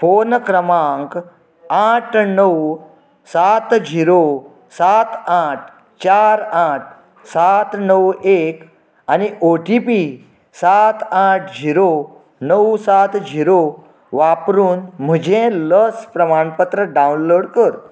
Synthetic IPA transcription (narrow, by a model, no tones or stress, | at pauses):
fonkɾəmaŋk | aʈʰnəw | sat̪d͡ʑiɾo | sat̪aʈʰ | t͡ɕaɾaʈ̚ʰ | sat̪nəwek | aniʔoʈipi | sat̪aʈʰd͡ʑiɾo | nəwsat̪d͡ʑiɾo | ʋapɾuːnm̤əd͡ʑʱẽləspɾəmaɳpət̪ɾəɖãwnloɽkəɾ